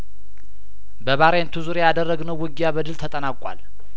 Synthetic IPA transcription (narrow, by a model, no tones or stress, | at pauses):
bəβaɾəjent̪ʰuzuɾejad̪ərːəɡnəwːɨɡjabəd̪ɨlt̪ʰət̪ʼənakʼa̰l